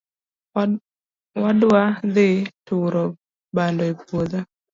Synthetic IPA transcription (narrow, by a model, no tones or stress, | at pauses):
wadwad̪ɪtʊɾɔ | bandɔepwoða